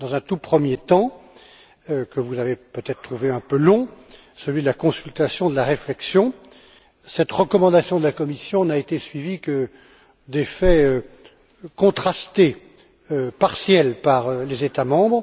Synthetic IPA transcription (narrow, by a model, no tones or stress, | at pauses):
d̪ɑ̃zɛ̃t̪upχəmjet̪ɑ̃ | kəvuzavepøt̪ɛt̪χt̪χuveɛ̃pølɔ̃ | səlɥid̪əlakɔ̃sylt̪asjɔ̃d̪əlaʁeflɛksjɔ̃ | sɛt̪ʁəkɔmɑ̃d̪asjɔ̃d̪əlakɔmisjɔ̃naet̪esɥivikə | d̪efɛø | kɔ̃t̪χast̪e | øpaʁsjɛlpaʁølezet̪amɑ̃bʁ